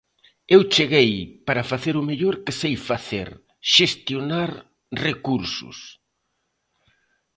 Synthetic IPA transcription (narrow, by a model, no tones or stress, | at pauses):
ewt͡ʃeɣejpaɾɐfaθeɾʊmeʎoɾkɪsejfaθḛɾ | ʃest̪jonaɾ | rekuɾsʊ̰s